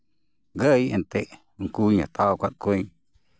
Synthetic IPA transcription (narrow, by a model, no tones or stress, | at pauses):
ɡəjet̪eʔ | ŋ̩kuːɲã̰t̪ʰakʷaʔ̪kʷẽ